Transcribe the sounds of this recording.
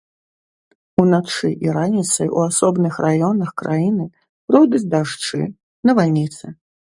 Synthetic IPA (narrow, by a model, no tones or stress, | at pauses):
unat͡ʂɨʔiɾanʲit̪sɐjṵasɔbnɨxrʔajɔnɐxkɾʔajinɨ | pɾɔwd̪ud͡zʲd̪aʂt͡ʂɨ̰ | nɐvalʲnʲit̪sɨ